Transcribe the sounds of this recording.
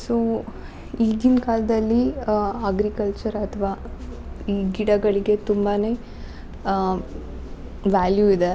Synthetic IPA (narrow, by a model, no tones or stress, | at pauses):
soː | id̪inkaːlɐd̪ɐlːiɐɡɾikɐlt͡ʃɐɾɐt̪ʰɐʋaː | iːɡiɽɐɡɐɭiɡe̞t̪umbane̞ | ʋaːljuid̪e